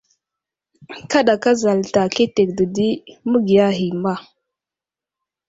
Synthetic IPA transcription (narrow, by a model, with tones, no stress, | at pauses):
ka˦ɗa˨ka˦za˨lta˨ke˦te˨k̚də˨di˦mə˦ɡi˨ja˦ɦi˨ma˦˨